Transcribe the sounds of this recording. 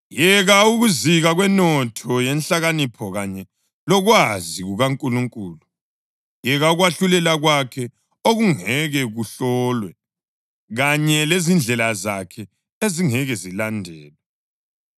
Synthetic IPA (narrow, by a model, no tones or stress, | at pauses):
jɛɣauɣuziɣaɣwɛnɔtʰɔjɛnɬaɣanipʰɔɣaɲɛ | lɔɣwaziɣuɣaŋkʼuluŋkʼuːlu | jɛɣauɣwaɬulɛlaɣwakʰɛ | oɣuŋɛɣɛɣuɬɔːlwɛ | ɣaɲɛlezind͡ɮʱɛlazakʰɛ | eziŋɛɣɛzilandʱɛːlwɛ